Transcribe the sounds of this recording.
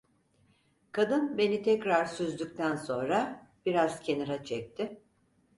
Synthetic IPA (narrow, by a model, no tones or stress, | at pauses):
kʰad̪ɯnbe̞nit̪ʰɛcɾaɾsyzd̪yk̚t̪ʰænso̞nɾabiɾaz̥cʰe̞niɾat͡ʃʰɛc̚t̪ʰɪ